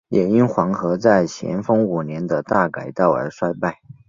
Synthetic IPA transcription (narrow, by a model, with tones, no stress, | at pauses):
jɛ˨˩i˥nxwɑ˧˥ŋxɤ˧˥t͡sa˥˩ɪɕjɛ̰˧˥nfɤ˥ŋu˨˩njɛ˧˥nd̪ə˧t̪a˥˩ka˨˩ɪt̪ɑ˥˩ʊə̰˞˧˥ʂwa˥ɪpa˥˩ɪ